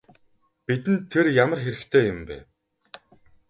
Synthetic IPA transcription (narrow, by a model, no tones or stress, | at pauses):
pit̪ɘ̆nt̪ʰːerjamə̆rxeɾɘ̆xt̪ʰeːjʊmpæ̰ː